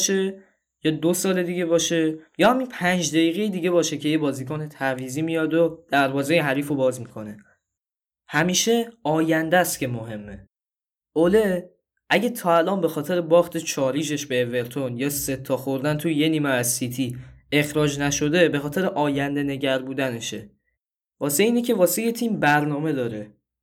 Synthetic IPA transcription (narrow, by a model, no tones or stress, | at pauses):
ʃe | jɒːd̪osɒːle̞d̪iɟe̞bɒːʃe̞jɒːhæminpʰænd͡ʒd̪æjiːɣe̞jid̪iːɟe̞βɒːʃe̞cʰe̞je̞bɒːziːkonet̪ʰæɾviːziːmijɒːd̪od̪̥æɾbɒːze̞jeɦæɾiːfobɒːzmikʰo̞ne̞ | hæmiːʃe̞ɒːjænd̪æst̪cʰe̞moɦe̞mːe | ole | ʔæɟæt̪ʰɒːælʔɒːmbe̞xɒːt̪ʰe̞ɾebɒːχt̪ʰet͡ʃʰɒːɾiːʃ̬e̞ʃbeːve̞ɾt̪ʰo̞njɒːse̞t̪ʰːɒːxo̞ɾd̪ænt̪ʰuje̞niːmeæzsit̪ʰie̞xɾɒːd͡ʒnæʃo̞d̪e̞bexɒːt̪ʰe̞ɾeʔɒːjænd̪e̞ne̞ɟæɾbuːd̪æne̞ʃe | vɒːseiːnecʰe̞vɒːsejet̪ʰiːmbæɾnɒːme̞d̪ɒːɾe